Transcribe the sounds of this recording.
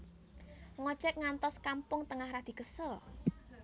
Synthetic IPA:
ŋɔ̥t͡ʃɛk̚ŋant̪ɔskampʊŋt̪əŋahɾad̪̥i̤kəsəl

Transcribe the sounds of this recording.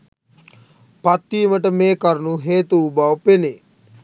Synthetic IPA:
pat̪ːiːməʈəmeːkəɾnuɦeːt̪uːbaʋpene

